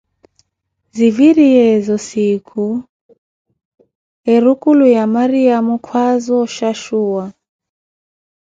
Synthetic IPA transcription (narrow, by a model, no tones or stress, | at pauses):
ziviɾiɛzɔsikʰu | ɛɾukulujamaɾiamukʰwazɔʃaʃuːwa